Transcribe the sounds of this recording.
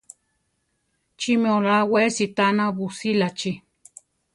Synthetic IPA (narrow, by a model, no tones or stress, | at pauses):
t͡ʃimeolawesit̪anaβusilat͡ʃi